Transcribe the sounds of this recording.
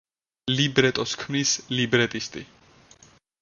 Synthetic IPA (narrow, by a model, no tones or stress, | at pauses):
libɾɛt̪ʼɔskʰmnislibɾɛt̪ʼist̪ʼi